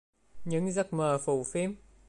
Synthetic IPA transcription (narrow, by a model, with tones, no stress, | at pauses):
ɲɨ̰˧˥ŋzə˦˥t̚məː˨˩fṵ˧˩˨fi˦˥əm